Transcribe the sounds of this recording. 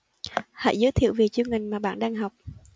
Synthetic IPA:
ha̰˧˥jzəː˨˦jt̪ʰḭ˧˨əwvi˨˩t͡ɕi˧əŋï˨˩ŋ̟maː˨˩ɓa̰ː˧˨nɗaː˧ŋɦa˨˩wk͡p̚

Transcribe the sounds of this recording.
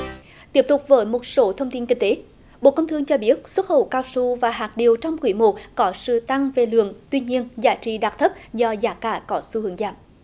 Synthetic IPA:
t̪i˦˥əp̚t̪ʊ˨˩k͡p̚vəː˨˦jmo˨˩t̚so˨˦t̪ʰə˧wŋ͡mt̪i˧nkï˧ŋ̟t̪e˨˦ | ɓo̰˧˨kə˧wŋ͡mt̪ʰɨ˧əŋt͡ɕɔ˧ɓi˦˥ət̚swə˦˥t̚xə̰˧˩wkaː˧wsu˧vaː˨˩ɦaː˨˩t̚ɗi˨˩əwt͡ɕɔ˧wŋ͡mkwi˧˩˦mo˨˩t̚kɔ˨˦sɨ̰˧˨t̪a˧ŋve˨˩lɨ̰˧˨əŋt̪wi˧ɲi˧ənzaː˨˦t͡ɕḭ˧˨ɗaː˨˩t̚t̪ʰə˦˥p̚zɔ˧zaː˨˦kaː˧˩kɔ˨˦su˧hɨ˨˦əŋza̰ː˧˩m

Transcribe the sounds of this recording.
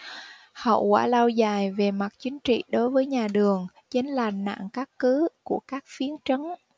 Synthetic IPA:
hə̰˧˨wka̰ː˧˩laː˧wzaː˨˩jve˨˩ma˨˩t̚t͡ɕï˨˦ŋ̟t͡ɕḭ˧˨ɗo˨˦jvəː˨˦jɲaː˨˩ɗɨ˨˩əŋ | t͡ɕe˨˦nlaː˨˩nna̰ː˧˨ŋkaː˦˥kkɨ˨˦ku˧˩əkaː˦˥k̚fi˨˦ənt͡ɕə˨˦n

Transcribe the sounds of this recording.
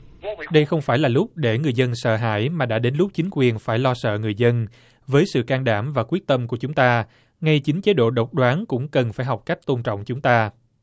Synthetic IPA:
ɗə˧jxə˧wŋ͡mfaː˧˩jlaː˨˩lʊ˦˥k͡p̚ɗe˧˩ŋɨ˨˩əjzə˧nsə̰ː˧˨ɦa̰ː˧˥jmaː˨˩ɗa̰ː˧˥ɗe˨˦nlʊ˦˥k͡p̚t͡ɕï˨˦ŋ̟kwi˨˩ənfaː˧˩jlɔ˧sə̰ː˧˨ŋɨ˨˩əjzə˧n | vəː˨˦jsɨ̰˧˨kaː˧nɗaː˧˩mvaː˨˩kwi˦˥ək̚t̪ə˧mku˧˩ət͡ɕʊ˨˦ŋ͡mt̪aː˧ | ŋa˧jt͡ɕï˨˦ŋ̟t͡ɕe˨˦ɗo̰˧˨ɗə˨˩wk͡p̚ɗwaː˨˦nkʊ̰˧˥ŋ͡mkə˨˩nfaː˧˩jɦɔ˨˩wk͡p̚ka˦˥jk̟̚t̪o˧nt͡ɕɔ̰˧˨wŋ͡mt͡ɕʊ˨˦ŋ͡mt̪aː˧

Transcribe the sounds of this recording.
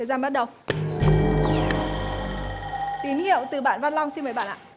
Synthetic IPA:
ə˨˩jzaː˧ɓa˦˥t̚ɗə˨˩w | t̪i˨˦nhḭ˧˨əwt̪ɨ˨˩ɓa̰ː˧˨nva˧nlɔ˧wŋ͡msi˧nmə˨˦jɓa̰˧˨nʔaː˧˨

